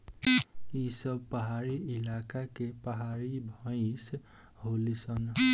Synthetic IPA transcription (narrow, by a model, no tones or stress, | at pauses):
isʌb̚pəɦaɾiilakakepəɦaɾibʱɔ̃ɪ̃s | ɦolisʌn